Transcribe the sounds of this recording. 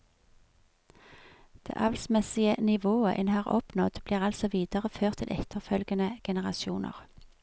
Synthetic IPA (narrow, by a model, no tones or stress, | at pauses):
d̪̥ḛːʔɑʋlsmɛsɪənɪʋoːə̰ʔɛnhɑːʁɔ̰pnɔd̪bliːʁɑlsɔʋiːd̪əʁəføːʁt̪ʰɪ̰lʔɛt̪əʁfœlɡənəɡ̥ɛnəʁɑsjṵːnʔə̰ʁ